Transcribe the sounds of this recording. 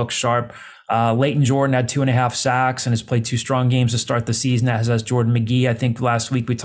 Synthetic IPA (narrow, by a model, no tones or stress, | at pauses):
ʊkʃɑɹp̚ | leɪʔn̩d͡ʒɔɹdⁿn̩ɨd̚tʰʉə̃ñɨɦæfsæksɨ̃nɨz̥pʰl̥eɪd̚tʰʉstɹ̥ɔ̃ŋɡẽɪ̃mz̥tʰɨstɑɹt̪̚ðɨsizn̩ɨzɨzd͡ʒɔɹdⁿn̩mɨɡiaɪθɪ̃ŋklæst̚wikwitʰ